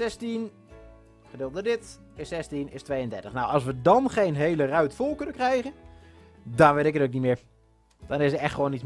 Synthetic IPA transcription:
sɛstin | χədɪlˠdədɪt | ɪsɛstinɪstʋejəndɛrtəχnawɔs̬ʋədɔnχeːnɦeːlərœɥtfolˠkɵnənkrɛjɣən | dɔnʋɪɾɪkətoknimɪːɹ | d̥ɔnɪsətɛxtʋoːnits

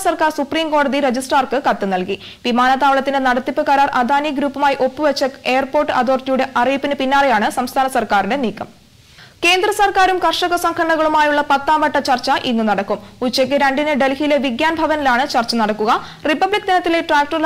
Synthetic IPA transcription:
sɐrkaːrsupriːmko̞ːɽɐðiɾed͡ʑisʈaːrkɨkɐt̪ːɨnɐlki | ʋimaːnɐt̪aːʋɐɭɐt̪ːinenɐɽɐt̪ːipːɨkɐɾaːrʔɐd̪ʱaːniɡɾuːpːumaːjʔo̞pːɨʋɐt͡ɕːɐe̞ːɐrpo̞ːrʈːɨɐd̪o̞ːrtjuːɽe̞ʔɐrijipːinɨpinːaːrejaːɳɨsɐmst̪ʰaːnɐsɐrkaːrinde̞niːkːɐm | ke̞ːnd̪rɐsɐrkaːɾumkɐrʂɐɣɐsɐŋkʰɐɳɳɐɣɐɭumaːjuɭːɐpɐt̪ːaːmɐʈːɐt͡ɕɐrt͡ɕːɐʔinːunɐɽɐkːumut͡ɕːek̬ːɨɾɐɳɖinɨɖe̞lhileʋiɡjaːnbʱɐʋɐnilaːɳɨt͡ɕɐrt͡ɕːɐnɐɽɐkːuɣɐ | ripːɐbɭik̚ːd̪inɐt̪ːileʈraːk̚ʈɐrl

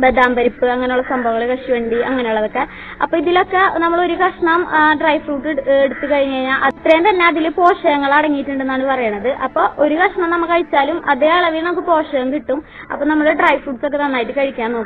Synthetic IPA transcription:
bed̪aːmbɐɾipːɨɐŋːɐnejuɭːɐsɐmbʱɐʋɐŋːɐɭilkɐʂiʋe̞ːɳɖiɐŋːɐnejuɭːɐðo̞kːe̞ | ɐpːoːiðilo̞kːe̞nɐmːɐɭo̞ɾukɐʂɐɳɐmɖrɐjfruːʈːeɽut̪ːukɐɻiɲːkɐɻiɲːaʔɐt̪ːrejɐmt̪ɐnːeɐðilɨpo̞ːʂɐjɐŋːɐɭɐɽɐŋːijiʈːuɳɖe̞nːaːɳɨpɐrɐjɐɳːɐðɨʔɐpːo̞ːʔoɾukɐʂɐɳɐmnɐmːɐkːɐɻit͡ɕːaːlumʔɐðeːɐɭɐʋilnɐmɐkːɨpo̞ːʂɐjɐmkiʈːum | ɐ̰pːoːnɐmːɐɭeɖrɐjʋfruːʈso̞kːe̞t̪ɐnːaːjiʈːɨkɐɻikʲːaːno̞ːkː

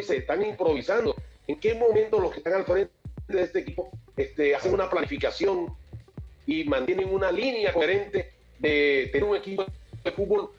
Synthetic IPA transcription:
ise̞ːst̪aŋimpɾo̞β̞isand̪oeŋke̞mo̞mẽ̞nt̪oloskest̪aŋalfɾent̪eðest̪ekipo̞est̪easeŋunaplanifikasjo̞ŋ | imãnt̪jeneŋunalinjakoɾẽ̞nt̪e̞ | ðe̞t̪euŋe̞kipoðefut̪̚bo̞l

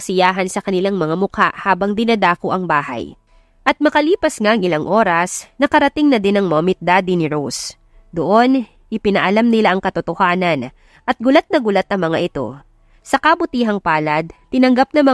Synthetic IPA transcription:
sɪjaːɦɐnsɐkɐnɪlaŋmɐŋamʊka̰ʔhaːbɐŋd̪ɪnɐd̪aːkoʔɐŋbaːhɐ̰j | ʔɐt̪̚mɐkɐliːpɐsŋaʔɐŋɪlaŋʔo̞ːɾɐsnɐkɐɾɐt̪ɪŋnɐd̪ɪnɐŋmomɪt̪̚d̪ad̪inɪɾos | d̪oʔo̞n | ʔɪpɪnɐʔɐlamnɪlaʔɐŋkɐt̪ʊt̪ohaːnɐn | ʔɐt̪̚ɡʊlat̪̚nɐɡʊlat̪ɐŋmɐŋaʔɪt̪o̞̰ | sɐkɐbʊt̪iːɦɐŋpaːlɐd̪̚t̪ɪnɐŋɡap̚nɐmɐ

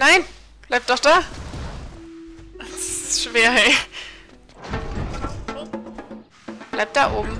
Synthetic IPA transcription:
naɪn | b̥laɪp̚d̥ɔχd̥aː | ʃv̥eːɐɦɛɪ | b̥laɪp̚d̥aːʔoːbm̩

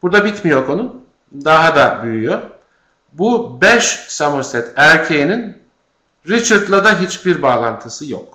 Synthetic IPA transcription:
b̥uɾd̪abit̪mijo̞ko̞nun | d̪aɦad̪abyjyjo̞ | bubɛʃsamuɾsɛt̪ʰæɾcʰejinin | ɾit͡ʃʰaɾt̪lˠad̪aɦit͡ʃbiɾbaːlˠant̪ʰɯsɯjo̰k̚

